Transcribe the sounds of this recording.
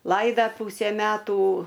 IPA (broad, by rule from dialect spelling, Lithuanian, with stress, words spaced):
ˈlˠɐɪdɐ ˈpuːsʲæː ˈmʲæːtuː